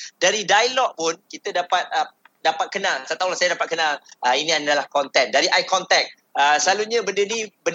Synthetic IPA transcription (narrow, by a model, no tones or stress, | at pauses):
daɾidajlɔʔ̚pʊnkit̪ədapat̪̚ə | dapat̪̚kənalsat̪awlasajadapat̪̚kənãləinĩadalahkɔnt̪ɛndaɾiʔajkɔnt̪ɛk̚ | əsəlaluɲãbəndənibə